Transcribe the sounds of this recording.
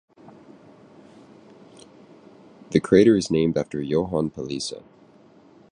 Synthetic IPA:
ðɨkʰɹ̥eɪɾə˞ɨznẽɪ̃mdæftə˞joʊɦɑ̃npʰəlisə̰

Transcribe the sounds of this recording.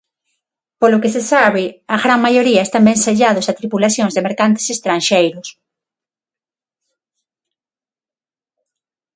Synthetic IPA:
polʊkesesaβɪaɣɾaŋmajoɾiɐest̪ambɛŋseʎaðʊsat̪ɾipulaθjõŋzðemeɾkant̪e̥sest̪ɾanʃejɾʊs

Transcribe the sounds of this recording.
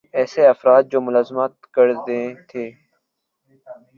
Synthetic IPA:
ɛːseɐfɾaːt̪̚d͡ʒoːmʊlaːzmat̪kəɾd̪ẽːt̪ʰeː

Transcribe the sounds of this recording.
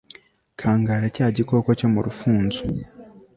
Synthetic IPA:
kʰaːŋɡaːɾacaːɟiko̞ːko̞co̞muɾufuːnzu

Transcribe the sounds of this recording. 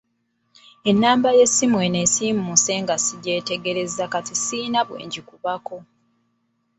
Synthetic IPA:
e̞nːaːmbaje̞sːimwenesiːmumuse̞ːŋɡasiɟe̞ːte̞ɡe̞ɾe̞zakatisiːnaβwḛːɲɟikuβako̞

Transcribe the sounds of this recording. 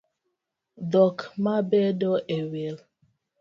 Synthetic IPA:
dɔkmabedɔʔewel

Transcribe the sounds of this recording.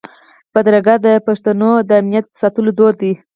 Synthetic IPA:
bad̪ɾaɡad̪əpaʂt̪anod̪əamnijat̪̚əsɑt̪əlod̪od̪i

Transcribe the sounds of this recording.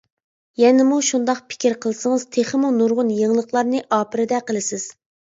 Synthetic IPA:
jɛnɪmuʃund̪ɑqpʰɪ̥kʲiɾqʰəlˠsəŋɨz̥t̪ʰeχəmunuɾʁʊnjeŋlˠəχlˠɑɾnɨʔɑːpɪɾɪd̪ɛqəlˠɨsɪz̥

